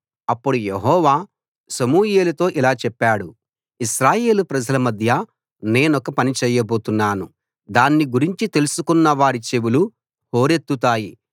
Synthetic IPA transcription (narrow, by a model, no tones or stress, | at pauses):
ɐpːuɽuje̞ɦɔːʋaː | sɐmuːje̞ːlɐt̪o̞ːʔilaːt͡ʃɛpːaːɽu | iʃɾaːje̞ːlupɾɐd͡ʒɐlɐmɐd̪ʱjɐ | ne̞ːnɔkɐpɐnit͡ʃɛːjɐbo̞ːt̪unːaːnu | d̪aːnːiɡuɾiɲt͡ʃit̪e̞lusukunːɐʋaːɾit͡ʃe̞ʋulu | ho̞ːɾe̞t̪ːut̪aːji